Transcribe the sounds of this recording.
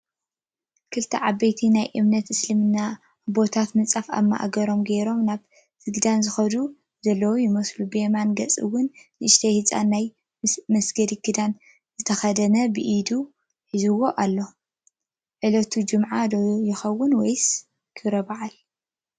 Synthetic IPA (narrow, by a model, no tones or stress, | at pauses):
kʰɨlt̪ʰɐʕabɐjt̪ʰinajʔɨmnɐt̪ɨslɨmɨnːa | bo̞t̪ʰat̪mɨt͡sʼafa̰mːa̰ʔa̰ɡɐɾo̞mɡeɾo̞mnaβ | zɨɡɨd̪anzɨxɐd̪u | zɐlːɐwojɪmɐslubemanɡɐt͡sʼɨ̰wːʊnːɨʔɨʃt̪ʰɐjhɨt͡sʼa̰nːaj | mɐsɡɐd̪ikʰɨd̪an | zɨt̪ʰɐxɐd̪ɐnɐbɨʔid̪u | ħizɨwo̞ʔalːo̞ | ʕɨlɐt̪ʰud͡ʒɨmʕad̪ojɪxɐwːʊnwɔjs | kʰɨɾɐbaʕal